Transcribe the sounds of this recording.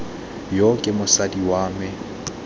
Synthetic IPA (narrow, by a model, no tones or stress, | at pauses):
jokʼɪmʊsadiwaːmɪ